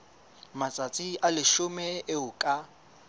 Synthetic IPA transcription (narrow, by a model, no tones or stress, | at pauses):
mat͡sʼat͡sʼiʔalɪʃʊmɛʔɪʊkʼa